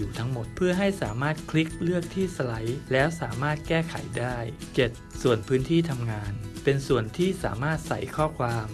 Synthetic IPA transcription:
uː˨˩t̪ʰa˦˥ŋmo˨˩t̪̚pʰɯ˥˩əɦa˥˩jsa̰ː˩˦maː˥˩t̪̚kʰli˦˥k̚lɯ˥˩ək̚t̪ʰiː˥˩sa˧la˩˦jlɛː˦˥wsa̰ː˩˦maː˥˩t̪̚kɛː˥˩kʰa̰˨˩˦jdaː˥˩jt͡ɕe˨˩t̪̚su˨˩ənpʰɯː˦˥nt̪ʰiː˥˩t̪ʰa˧mŋaː˧npe˧nsu˨˩ənt̪ʰiː˥˩sa̰ː˩˦maː˥˩t̪̚sa̰˨˩jkʰɔː˥˩kʰwaː˧m

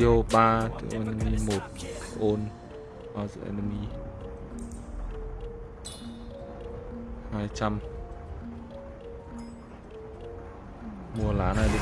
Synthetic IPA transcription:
i˧˨o˧ɓaː˧t̪ɨ̰˧˦ʔo˧n˧mi˧mo˨˩t̚ʔo˧n | ʔa˧zə̰˧ʔɛ̰˧nə˧mi˧ | haː˧jt͡ɕa˧m | mu˧əla̰ː˨˦na˨˩jlɨ˨

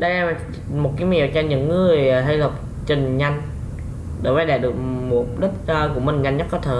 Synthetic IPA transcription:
ɗa˧jʔɛ˧m˨˩ | mo˨˩t̚kaː˨˦jmḭ˧˨əwt͡ɕɔ˧ɲɨ̰˧˥ŋːɨ˨˩əjɦa˧jzə˨˩p̚ | t͡ɕi˨˩ŋɲa˧jŋ̟ | ɗo˧˩˦vaː˨˦ɗe˧˩ɗɨ˨˩ək̚mu˨˩˦ɗə˦˥t̚ːku˧˩əmï˨˩ŋ̟ɲa˧jŋ̟ːə˦˥t̚kɔ˨˦t̪ʰeː˧˩˦

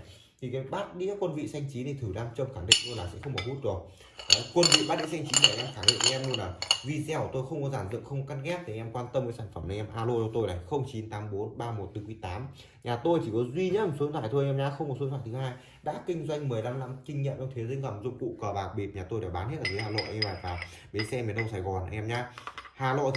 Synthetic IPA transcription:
t̪ʰi˨˩kaː˨˦jɓaː˦˥t̚ɗi˧˦kaː˦˥kwə˧nvḭ˧˨sa˧jŋ̟t͡ɕi˨˦t̪ʰi˨˩t̪ʰɨ˧˩laː˧mt͡ɕə˧wŋ͡mxaː˧˩ŋɗḭ˧˨ŋznlaː˨˩sɛ̰˧˥xə˧wŋ͡mɓɔː˨˩hu˦˥t̚zu˨˩ək̚ | ʔa˨˦kwə˧nvḭ˧˨ɓaː˦˥tɗḭ˧˥˦sa˧jŋ̟t͡ɕi˨˦mə˨˩jla̰ː˧˥xaː˧˩ŋɗḭ˧˨ŋ˨˧ʔɛ˧mnu˧nlaː˨˩vi˧zɛ˧˩wt̪o˧jxə˧wŋ͡mkɔ˨˦zaː˧˩nzɨ̰˧˨əŋxə˧wŋ͡mkɔ˨˦ka˧nɣɛ˦˥p̚t̪i˨˩˨ɛ˧mkwaː˧nt̪ə˧mkaː˨˦saː˧˩nfə˧˩mnaː˨˧˨ʔɛ˧mʔaː˧lo˧t͡ɕɔ˧t̪o˧jlaː˨˩jxə˧wŋ͡mt͡ɕi˨˦nt̪aː˨˦mɓo˨˦nɓaː˧mo˨˩t̚t̪ɨ˨˦kwi˨˦t̪aː˨˦m | ɲaː˨˩t̪o˧jt͡ɕi˧˩kɔ˨˦zwi˧ɲə˧˥su˨˦nza̰ː˧˨t̪ʰo˧jʔɛ˧mɲaː˧˦xə˧wŋ͡mɔ˨˩tsu˨˦nzʰwaː˧˩t̪ʰɨ˨˦haː˧j | ɗa̰ː˧˥kï˧ŋ̟zwa˧jŋ̟mɨ˨˩əjla˧mla˧mkï˧ŋ̟ɲḭ˧˨t͡ɕɔ˧ŋ͡mt̪ʰe˨˦zə˧ŋzə˨˩mzʊ̰˧˨ŋ͡mkṵ˧˨kɔː˧˩ɓaː˨˩k̚ɓi˨˩t̚ɲaː˨˩o˧jɛ˧˩wɓaː˨˦nhe˦˥t̚laː˨˩e˨˦haː˨˩lo̰˧˨jʔɛ˧mva̰ː˧˨jvaː˨˩ | ɓe˨˦sɛ˧me˨˩˦nɗə˧wsaː˧˩jɣɔ˨˩n˨˧ʔɛ˧mɲaː˧haː˨˩lo̰˧˨

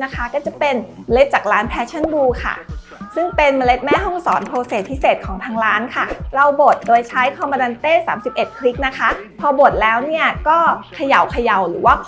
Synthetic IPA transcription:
na˦˥kʰa˦˥kɔː˥˩t͡ɕa˨˩pe˧nma˧le˦˥t̪̚t͡ɕaː˨˩k̚ɾaː˦˥npʰɛː˦˥t͡ɕʰa˥˩˨nduː˧kʰa̰˥˩ | sɯ˥˩ŋpe˧nma˧le˦˥t̪̚mɛː˥˩ɦɔ˥˩ŋsɔ̰ː˩˦npʰoː˧se˨˩t̪̚ʰiː˦˥˩seː˨˩t̪̚kʰɔː˩˦ŋt̪ʰaː˧˥ŋɾaː˦˥nkʰa˥˩ɾa˧wbo˨˩t̪̚doː˧jt͡ɕʰa˦˥jkʰɔː˧mɔː˧da˧nt̪eː˥˩saː˩˦msi˨˩p̚ʔe˨˩t̪̚kʰli˦˥k̚na˦˥kʰa˦˥pʰɔː˧bo˨˩t̪̚lɛː˦˥wni˥˩ɐkɔː˥˩kʰa˧ja˨˩wkʰa˧ja˨˩wɾɯː˩˦waː˥˩

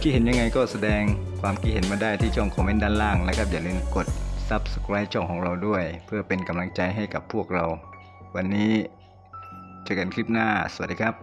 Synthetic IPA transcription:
kʰi˧˥he˩˦nɲa˧ŋːa˧jkɔː˥˩sa˧dɛː˧ŋkʰwaː˧mkʰi˦˥t̪̚he˨˩˦nmaː˧daː˥˩jt̪ʰiː˥˩t͡ɕʰɔ˥˩ŋkʰɔː˨˦ŋme˧˥˨ndaː˧˥˨nlaː˧˥˩ŋlɛː˦˧˥kʰa˦˥p̚jaː˨˩lɯ˧nko˨˩t̪̚sa˦˥p̚skʰɾa˦˥jt͡ɕʰɔ˥˩ŋkʰɔː˨˩˦ŋɾa˧wdu˥˩əjpʰɯ˥˩ɐpe˨˧nka˨˧mla˧ŋt͡ɕa˧jɦa˥˩jka˨˩pʰːu˥˩ək̚ɾa˧w | wa˧nːiː˦˥ | t͡ɕa˨˧˩ka˨˦nkʰɾi˦˥˩p̚naː˥˩sa˨˧˩t̚diː˧kʰa˦˥p̚

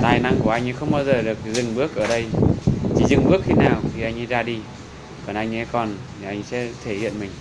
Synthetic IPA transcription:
t̪aː˨˩jna˧˥ŋku˧˩əʔa˧jŋ̟˧˦xə˧wŋ͡mɓaː˧wzəː˨˩ɗɨ˨˩ək̚zɨ˨˩ŋɓɨ˦˥ək̚ʔəː˧˩ɗə˧jt͡ɕi˧˩zɨ˨˩ŋɓɨ˦˥ək̚xi˧naː˨˩wt̪ʰi˨˩ʔa˧jŋ̟ʔzaː˧ɗi˧ | kɔ˨˩nʔa˧jŋ̟ʔɛ˧˥kɔ˨˩n˨˩ | ʔa˧jŋ̟sɛ̰˧˥t̪ʰe˧˩hḭ˧˨ənmï˨˩ŋ̟

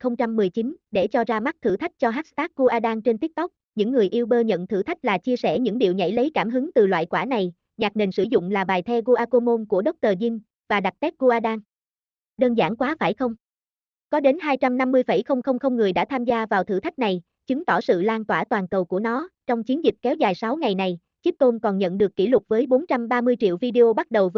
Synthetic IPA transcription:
xə˧wŋ͡mt͡ɕa˧mːɨ˨˩əjt͡ɕi˨˦nɗe˧˩t͡ɕɔ˧zaː˧ma˦˥t̚t̪ʰɨ˧˩t̪ʰa˦˥jk̟̚t͡ɕɔ˧ɦa˦˥t̚st̪aː˦˥k̚ɣo˧ʔaː˧ɗaː˧nt͡ɕe˧nt̪i˦˥t̚t̪k͡p̚ | ɲɨ̰˧˥ŋːɨ˨˩əjʔi˧wɓəː˧ɲə̰˧˨nt̪ʰɨ˧˩t̪ʰa˦˥k̟̚laː˨˩t͡ɕi˧əsɛ̰˧˩ɲɨ̰˧˥ŋɗḭ˧˨əwɲa̰˧˥˩jlə˨˦jkaː˧˩mɦɨ˨˦ŋt̪ɨ˨˩lwa̰ː˧˨jkwaː˧˩na˨˩j | ɲaː˨˩k̚ne˨˩nsɨ˧˩zʊ̰˧˨ŋ͡mlaː˨˩ɓaː˨˩jt̪ʰɛ˧ɣo˧ʔaː˧ko˧mo˧nku˧˩əɗə˦˥k͡p̚t̪əː˨˩zi˧n | vaː˨˩ɗa˨˩t̚t̪ɛ˦˥t̚ɣo˧ʔaː˧ɗaː˧n | ɗəː˧nzaː˧˩nkwaː˨˦faː˧˩jxə˧wŋ͡m | kɔ˨˦ɗe˨˦nɦaː˧jt͡ɕa˧mna˧mːɨ˧əjfə̰˧˩jxə˧wŋ͡mxə˧wŋ͡mxə˧wŋ͡mŋɨ˨˩əjɗa̰ː˧˥t̪ʰaː˧mzaː˧vaː˨˩wt̪ʰɨ˧˩t̪ʰa˦˥k̚na˨˩j | t͡ɕɨ˨˦ŋt̪ɔ˧˩sɨ̰˧˨laː˧nt̪waː˧˩t̪waː˨˩nkə˨˩wku˧˩ənɔ˨˦t͡ɕɔ˧wŋ͡mt͡ɕi˨˦nzï˨˩k̟̚kɛ˨˦wzaː˨˩jsa˨˦wŋa˨˩jna˨˩j | t͡ɕi˦˥k̚t̪o˧nkɔ˨˩nɲə̰˧˨nɗɨ˨˩əkːḭ˧˩lʊ˨˩t̚vəː˨˦jɓo˨˦nt͡ɕa˧mɓaː˧mɨ˧əjt͡ɕḭ˧˨əwvi˧ɗe˧ʔo˧ɓa˦˥t̚ɗə˨˩wv

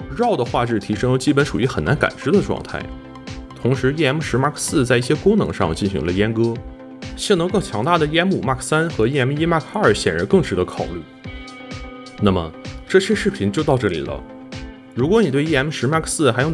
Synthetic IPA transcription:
ɻɑ˥˩ʊd̪ə˩xwa˥˧ʈ͡ʂɻ̩˥˩t̪ʰi˧˥ʂɤ˥ŋjo˧t͡ɕi˥pə˧˥nʂu˨˩y˧˥xə˨˩na̰˧˥nka̰˨˩nʈ͡ʂɻ̩˥d̪ə˨ʈ͡ʂwɑ̰˥˧ŋt̪ʰa̰˥˩ɪ | t̪ʰʊ˧˥ŋʂɻ̩˧˥jɛ˥˩ɛ˧˥mʂɻ̩˧˥ma˥˩kʰsɹ̩˥˧t͡sa˥˧ɪi˥˩ɕjɛ˥kʊ˥ŋnɤ̰˧˥ŋʂɑ̰˥˧ŋt͡ɕi˥˩nɕḭ˧˥ŋlə˧jɛ˥nkɤ˥ | ɕi˥˩n˧˥ŋkɤ˥˩ŋt͡ɕʰjɑ˧˥ŋt̪a˥˩d̪ə˩jɛ˥nmu˨˩ma˥˩kʰsa˥nxɤ˧˥jɛ˥˩ɛ˧˥mi˥ma˥˩kʰa˥ə˞˨˩˥ɕjɛ˨˩nɻa̰˧˥nkɤ˥˧ŋʂɻ̩˧˥d̪ə˧˥kʰɑ˨˩ʊly̰˥˩ | na˥˩mə̰˩ʈ͡ʂɤ˥˩ɕɥɛ˥˧ʂɻ̩˥˩pʰi˧˥nt͡ɕjo˥˧t̪ɑ˥˧ʊʈ͡ʂɤ˥˩lḭ˨˩lə̰˦ | ɻu˧˥kwɔ˧˥ni˨˩we˥˧ɪjɛ˥˩ɛ˥mʂɻ̩˧˥ma˥˩kʰsɹ̩˥˩xa˧˥jo˥˧˩

